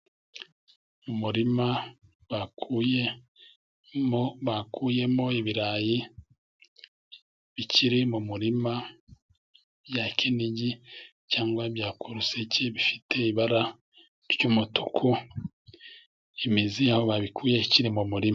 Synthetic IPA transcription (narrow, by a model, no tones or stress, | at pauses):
mumuɾima | βakʰuje | moβakuje̞mo̞iβiɾaːji | βicʰiɾimumuɾima | bjakʰeniɟi | caːŋɡwabjaːkʰuɾuseceβifitʰe̞iβaɾa | ɾɟuːmutukʰu | imiziaoβaβikuːjeiciɾimumuɾima